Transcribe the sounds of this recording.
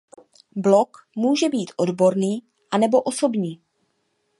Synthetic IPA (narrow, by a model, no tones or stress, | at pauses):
blo̞k | muːʒɛbiːt̪ʔo̞dbo̞ɾniː | ʔanɛbo̞ʔoso̞bɲiː